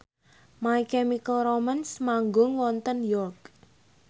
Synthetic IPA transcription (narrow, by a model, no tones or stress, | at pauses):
maikɛmikəlromansmaŋɡʊŋwɔnt̪ənjɔrk